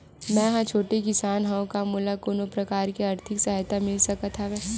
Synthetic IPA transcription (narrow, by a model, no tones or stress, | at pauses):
mɛ̃ɦãt͡ʃʰoːʈekɪsaːnɦaõkamuːlakoːnopɾɐkaːɾkeɐɾt̪ʰɪksaɦjt̪amɪlsɐkat̪ʰaʋɛː